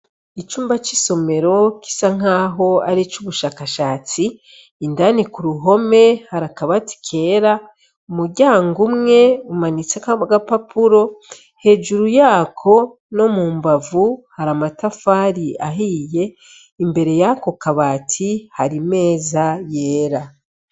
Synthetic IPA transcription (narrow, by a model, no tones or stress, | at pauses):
it͡ʃuːmbat͡ʃiso̞me̞ɾo̞ki̥saŋ̥aːɦo̞aɾit͡ʃuβuʃaːkaʃaːt͡siː | ndanikuɾuɦo̞me̞haɾakaβati̥kʰe̞ːɾa | umuɾɟaːŋɡumŋe̞umanit͡sekaɡapapuɾo̞ | he̞ːʒuɾujaːkʰo̞ | no̞muːmbavuhaɾamatafaːɾiaɦije̞ | imbe̞ɾe̞jako̞kaβaːtʰihaɾime̞ːzaje̞ːɾa